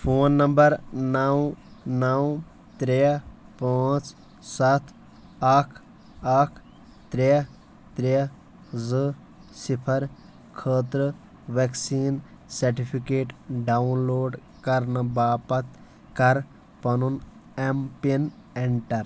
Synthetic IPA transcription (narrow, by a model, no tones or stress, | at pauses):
pʰoːnːɐmbɐɾnɐwnɐw | t̪ɾepaːt͡s | sɐt̪ʰ | ɐkʰ | ɐkʰ | t̪ɾe | t̪ɾe | zɨ | sipʰɐɾ | kʰəːt̪ɾə | ʋeksiːn | sɐɾʈipʰikeːʈɖaunloːɖ | kɐɾnɐbaːpɐt̪ | kɐɾ | pɐnunempin | eɳʈɐɾ